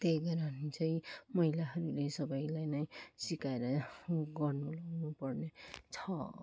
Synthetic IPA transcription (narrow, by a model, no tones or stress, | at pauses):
t̪ejɡʌɾanit͡sʰʌjmʌɦilaɦʌɾulesʌbʌjlajnʌjsikaeɾʌɡʌrnulaɡnupʌrnet͡sʰʌ